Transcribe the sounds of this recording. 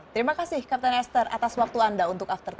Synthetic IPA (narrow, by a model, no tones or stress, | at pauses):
t̪əɾimakasɪhkap̚t̪anɛst̪ərʔa̰t̪aswak̚t̪uandaunt̪ʊkaft̪ɔrt̪